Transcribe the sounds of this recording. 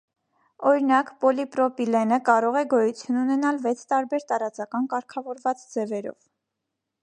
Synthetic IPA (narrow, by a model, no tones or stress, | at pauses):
ɔɾinɑkpɔlipɾɔpilɛnəkɑɾɔʁɛɡɔjut͡sʰjununɛnɑlvɛt͡sʰt̪ɑɾbɛɾt̪ɑɾɑt͡sɑkɑnkɑɾkʰɑvɔɾvɑt͡sd͡zɛvɛɾɔ̰v